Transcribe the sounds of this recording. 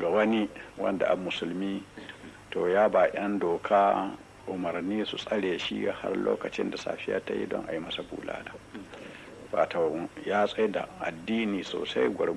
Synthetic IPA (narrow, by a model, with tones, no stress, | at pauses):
ɡa˨wɐ˦ni˦wɐ̰˦nda̰˨ʔa˨mːʊ˨su˨lmiː˦ | to˨jaː˦ba˨ʔɐ˦ndoː˨kʰaː˦ | ʔʊ˨mɐ˨ɾniː˦su˨sʼɐ˦ɽeː˨ʃi˦ɡa˨ha̰˦rlo̰ː˦kɐ˨t͡ʃɪ˦nda˨sa̰ː˨ɸi˦ja̰˦ta˦jḭ˦dɔ˦ŋʔa˨ji˦mɐ˦sa˨bṵː˨la̰ː˦da˨ | wa˨to˨jaː˦sʼe˦da̰˨ʔa˨dːiː˦niː˨so̰ː˨sa˦jɡʷɔ˨ɾ